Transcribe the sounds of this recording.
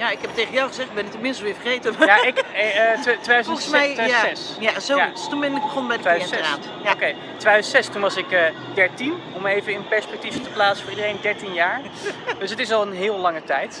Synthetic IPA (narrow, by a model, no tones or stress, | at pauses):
jaɪkɛptejχənjawχəzɛχtbɛnɪktəmɪnstəʋɪːɹfəχejtəjaɪk | tʋejdœzəəsmɛjaɛsjasotunbɛnɪɡ̚bəχɔnbɛjdəeɛsra̰ː | jaokej | tʋejdœzəntsɛstunʋɑsɪkə | dɛɹtin | ɔmejvəɪnpɛɹspɛk̚tivətəplaːtsəfʊːridərejndɛɹtinjaːɹ | døsətɪsɑlˠənɦɪːlˠlɑŋətɛjt